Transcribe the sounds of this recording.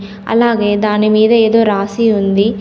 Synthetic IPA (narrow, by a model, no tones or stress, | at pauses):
ɐ̰lːaːɡeːd̪aːnemiːd̪ɐeːd̪oːɾaːsiund̪i